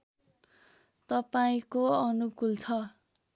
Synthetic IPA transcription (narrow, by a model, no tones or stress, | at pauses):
t̪ʌpaĩkoʌnukult͡sʰʌ